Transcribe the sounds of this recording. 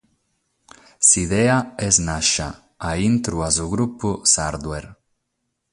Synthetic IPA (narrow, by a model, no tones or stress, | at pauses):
siðɛaɛznaʃa̰ | aint̪ɾuazʊɣɾupʊsaɾd̪weɾ